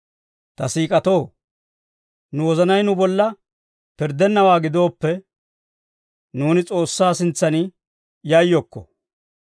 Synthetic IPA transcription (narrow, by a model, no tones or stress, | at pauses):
t̪ɐsiːkʼɐt̪o̞ː | nʊwɔzɐnɐjnʊbɔlːɐ | pɪɾd̪ɛnːɐwaːɡɪd̪o̞ːpːɛ | nuːnɪt͡sʼo̞ːsːaːsɪnt͡sːɐnɪ | jɐjːɔkːɔ̰